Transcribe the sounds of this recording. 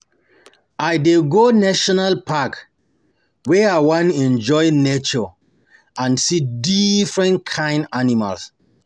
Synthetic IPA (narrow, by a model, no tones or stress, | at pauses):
ajdeɡonaʃɔnalpak | wɛawãnɛ̃nd͡ʒɔjnet͡ʃɔ | ãnsidifɹɛ̃nkʰãɪ̃ndanima̰ls